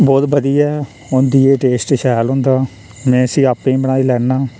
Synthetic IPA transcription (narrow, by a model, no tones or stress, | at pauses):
bɔːt̪bəd̪iːɛː | ʊnd̪iːeːʈeːsʈʃɛːlɦʊ̃ːnd̪aː | mɛ̃ːəsĩːaːpːẽːbəɽaːiːlɛːnːaː